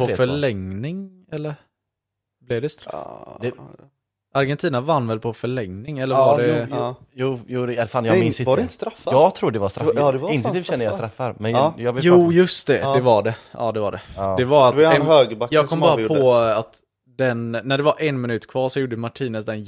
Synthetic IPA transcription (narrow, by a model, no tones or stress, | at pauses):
pɔfœɭɛŋnɪŋ | ɛlːəɾ | blɪvd̪ɛst̪ɾaɛ | aɾɡɛnt̪ʰiːnavanːvɛlpʰɔfœɭɛŋnɪŋɛlːəɾɾvaɖɛjuːjuːɛfaːnjɑmɪsaɾɪnt̪ə̥st̪ɾafːaɑɡt̪ʰɾuːɖɛvast̪ɾad̪ɪnɛiːvʃɛnd̪əjast̪ɾafːaɾmɛnjɑvjuːjɵst̪d̪ɛd̪ɛvaɖɛʔɑ̰ːd̪ɛvaɖɛ̥ɛvaɾaɛhøːɡbajɑːɡkʰɔmːbɑːɾapʰːɔat̪ | d̪ɛnːæɖɛvaɾʔɛnmɪnʉ̟ːt̪ːkʰvɑːʂɔjuːɖːəmaʈʰiːnəsd̪ɛn